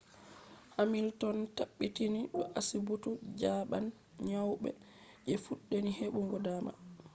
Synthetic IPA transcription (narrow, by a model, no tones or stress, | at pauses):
hamiltɔntaɓːitiniɗɔʔasibutud͡ʒaːɓa̰n | ɲawɓɛ̰ | ʔɛfuɗːeniheɓuŋɡɔdaːma̰